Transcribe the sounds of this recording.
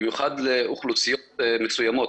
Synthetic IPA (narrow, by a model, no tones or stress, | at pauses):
mjuχad̪leʔuχlusijot̪mesujamot̪